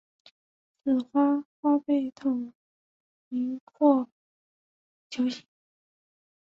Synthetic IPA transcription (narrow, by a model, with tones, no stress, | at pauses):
t͡s̩˨˩xwa˥xwa˥pe˥˩ɪt̪ʰʊ˨˩ŋ | i˧˥pʰwɔ˥˩ | t͡ɕjo˧˥ɕi˨˩˦